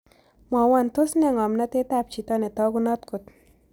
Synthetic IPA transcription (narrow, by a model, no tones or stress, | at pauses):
mawant̪osneŋɔmnat̪et̪ap̚t͡ʃit̪ɔnet̪ɔɡʊnɔt̪kʊt̪